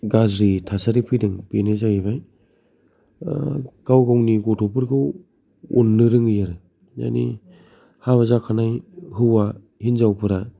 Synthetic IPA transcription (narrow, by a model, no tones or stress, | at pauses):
ɡazɾitʰasaɾipʰidɯŋpenezaiβaj | ɡ̥awɡawniɡɔtʰopɯɾɡɯw | o̰nːɯɾɯŋɯjaɾɯ | ja̰nḭ | haβazakʰanajhɯwa | hinzawpʰɯɾa